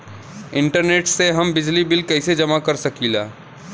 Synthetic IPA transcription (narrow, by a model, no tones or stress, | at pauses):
ɪ̃ɳʈəɾneːʈseɦɐmbɪd͡ʒlibɪlkɐsed͡ʒɐmakɐɾsɐkilaː